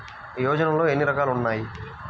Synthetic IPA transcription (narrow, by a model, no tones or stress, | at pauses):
pɾɐjɔːd͡ʒɐnɐmlo̞ːenːiɾɐkaːlunːaːji